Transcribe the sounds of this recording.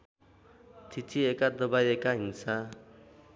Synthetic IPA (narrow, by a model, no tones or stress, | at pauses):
tʰit͡sʰiekad̪ʌbajekaɦinsa